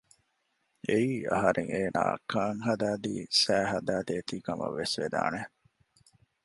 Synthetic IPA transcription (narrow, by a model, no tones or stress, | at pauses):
eiːɐ̰ɦɐɾʔeŋeːna̰ːkʰɐːŋɦɐd̪æːd̪ḭːsæːɦɐd̪æːd̪eːt̪iːkɐmɐ̰ʋːesʋed̪a̰ːne